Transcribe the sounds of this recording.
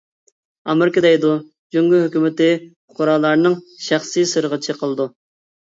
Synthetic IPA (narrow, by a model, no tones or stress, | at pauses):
ɑ̰mɨɾkəd̪ɛjd̪u | d͡ʒyŋɡʲyɦykʲymɪt̪ɪ | ʊ̥qʰʊɾɑːlˠːɑɾnɨŋʃæχsisɨɾʁət͡ʃʰɨqʰəlˠɨd̪u